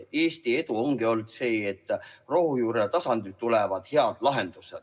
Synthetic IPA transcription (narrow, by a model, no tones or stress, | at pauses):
e̞ːst̪ie̞d̪uoŋɡ̥io̞ld̪̥se̞ːet̪ːˑrohujuːɾet̪ɑsɑnd̪it̪ːulevɑd̪̥he̞ɑd̪lɑɦe̞nd̪̥use̥